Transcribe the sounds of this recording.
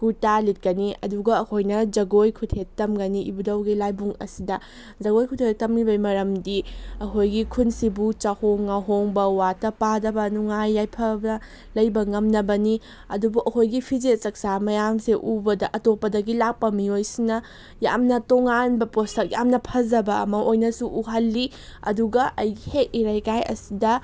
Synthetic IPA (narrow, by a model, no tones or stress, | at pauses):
ɡutalit̚kɐniɐ̰duɡɐːkʰojnɐd͡ʒɐɡojkʰutʰetɐmɡɐniʔḭbudɐwɡilajbuŋɐ̰sidɐ | zɐɡojkʰutʰetɐmibɐjmɐɾɐmdiɐkʰojɡikʰunsibut͡ʃɐhoŋːaɦoŋbɐwatɐpadɐbɐnuŋajːajpʰɐbɐ | lɐjbɐŋɐmnɐbɐni | ɐdubuʔɐkʰojɡipʰizet͡ʃɐk̚samɐjamseʔubɐdɐʔɐtopːɐdɐɡilak̚pɐmiojsinɐ | ja̰mnɐtoŋanbɐpostʰɐk̚jamnɐpʰɐzɐbɐɐ̰mɐʔojnɐsuʔuɦɐlːi | ɐ̰duɡɐʔɐjɡihek̚iɾajkajɐ̰sidɐ